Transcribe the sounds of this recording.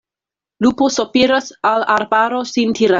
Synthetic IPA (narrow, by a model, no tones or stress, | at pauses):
luposopiɾasalaɾbaɾosintʰiɾa